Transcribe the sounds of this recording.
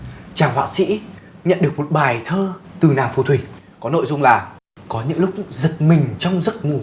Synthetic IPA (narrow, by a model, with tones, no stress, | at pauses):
t͡ɕaː˨˩ŋhwa̰ː˧˨sḭ˧˥ɲə̰˧˨nɗɨ˨˩ək̚mo˨˩t̚ɓaː˨˩jt̪ʰəː˧t̪ɨ˨˩naː˨˩fu˨˧˩t̪ʰwi˧˩ | kɔ˨˦no̰˧˨jzʊ˧ŋ͡mlaː˨˩ | kɔ˨˦ɲɨ̰˧˥ŋlʊ˦˥k͡p̚zɨ˨˩t̚mï˨˩ŋ̟t͡ɕɔ˧wŋ͡mzə˦˥t̚ŋu˨˩